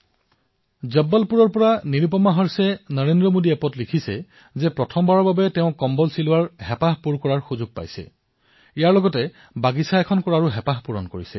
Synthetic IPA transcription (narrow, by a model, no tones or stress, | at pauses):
zɛbːalpuɹɔɹpɔɹaniɹip̬ɔmaɦɔɹsɛnəɹendɹɔmodiɛpɔtlikʰisɛ | zɛpɹɔtʰɔmbaɹɔɹbabɛtɛʊ̃kɔmbɔlsilʊwaɹɦɛpaɦpuɹkɔɹaɹxuzuɡ̚pa̰jsɛ̰ | ijaɹlɔɡɔtɛ | baɡisaɛkʰɔnkɔɹaɹuɦɛpaɦpuɹɔnkoɹisɛ̰